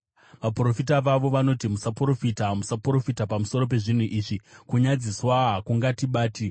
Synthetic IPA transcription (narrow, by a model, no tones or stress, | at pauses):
ʋapro̞fitaʋaʋo̞ʋano̞timusapro̞fitamusapro̞fitapamuso̞ɾo̞p̬e̞ʐin̤uʔiːʐikuɲad͡ziswaɦakuŋɡatiɓaːti